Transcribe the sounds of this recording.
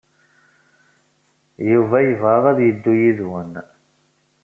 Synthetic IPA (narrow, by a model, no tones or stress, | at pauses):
juvæjəvʁɑðˤæðjəd̪ːujiðwən